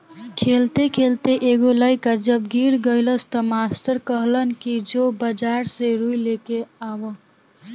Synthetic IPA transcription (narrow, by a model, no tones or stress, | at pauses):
kʰelt̪ekʰelt̪eʔeɡoləɪkad͡ʒəbɡiɾɡəɪləst̪əmasʈəɾkəɦlənkid͡ʒobəd͡ʒaɾseɾuilekeawə